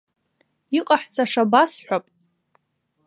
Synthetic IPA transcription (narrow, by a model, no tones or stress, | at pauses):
iqʼaħt͡sʰaʂabasħʷapʼ